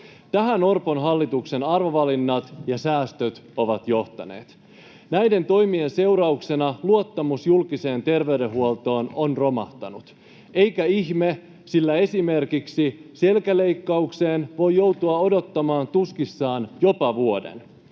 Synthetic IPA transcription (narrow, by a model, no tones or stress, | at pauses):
t̪æɦæno̞rponɦɑlːit̪ukse̞nɑrʋo̞ʋɑlinːɑt̪jɑsæːst̪øt̪o̞ʋɑt̪jo̞ht̪ɑ̰ne̞̰ːt̪ | næjde̞nt̪o̞jmie̞nse̞uɾɑukse̞nɑluot̪ːɑmusjulkise̞ːnt̪e̞rʋe̞yde̞ɦuo̞lt̪o̞ːnonro̞mɑ̰ht̪ɑ̰nut̪ | e̞jkæiçme | silːæe̞sime̞rkiksise̞lkæle̞jkːɑukse̞ːnʋo̞jːo̞wt̪uɑo̞do̞t̪ːɑmɑːnt̪uskisːɑːnjo̞pɑʋuo̞de̞̰n